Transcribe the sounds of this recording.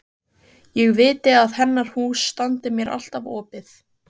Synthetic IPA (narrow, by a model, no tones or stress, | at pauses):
jɛɣvɪːt̪ɪaðhɛnːaɾ̥huːsːt̪ant̪ɪmjɛɾʔa̰l̥t̪avɔːpɪθ